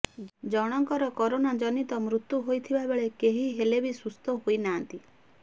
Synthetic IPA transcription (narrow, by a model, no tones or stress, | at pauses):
d͡ʒɔɽ̃ɔŋkɔɾɔkɔɾonad͡ʒɔnit̪ɔmɾut̪ːjuɦojt̪ʰibabeɭekeɦiɦelebisust̪ʰɔɦojnaːnt̪i